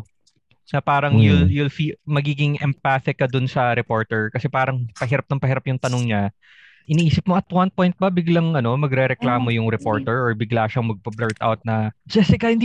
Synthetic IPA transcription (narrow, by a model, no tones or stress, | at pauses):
sɐpaːɾɐŋjʊljʊlfimɐɡiːɡɪŋʔɛmpaθɪkːɐd̪ʊnsɐɾɛpo̞ɹt̪ɛɹkɐsɛpaːɾɐŋpɐɦɪɾap̚nɐŋpɐhɪɾapjʊŋt̪ɐnoŋɲa | ʔɪniʔiːsɪp̚moʔɐt̪̚wɐn̚pojnt̪̚bɐbɪɡlɐŋʔɐno̞mɐɡɾɛɾɛklaːmo̞jʊŋɾɛpo̞ɹt̪ɛɹʔɔɹbɪɡlaːʃɐŋmɐɡ̚pɐbɛɹt̪ʔa̰wt̪̚nɐd͡ʒɛsɛkɐhɪnd̪